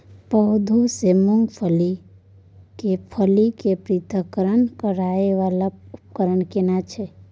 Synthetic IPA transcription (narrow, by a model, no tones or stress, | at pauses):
pəɦd̪ʱusemoŋɡpʰəli | kepʰəlikepɾit̪əkəɾənkəɾaeʋalaup̚kəɾəɳkenat͡ʃʰe